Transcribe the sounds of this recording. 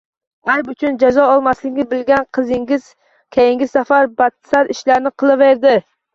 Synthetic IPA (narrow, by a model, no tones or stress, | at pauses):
ajbʊt͡ʃʰʊnd͡ʒazɒɒlˠmaslɪkʲɪbɪlɡʲanqʰɨzɪŋʲɪz̥ | kʲʰejɪŋɡʲɪzsafaɾbat̪saɾɪʃlaɾnɪqʰɨlˠɪveɾd̪ɪ